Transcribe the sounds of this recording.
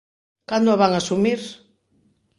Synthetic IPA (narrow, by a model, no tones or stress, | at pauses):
kand̪oʊaβaŋasumiɾ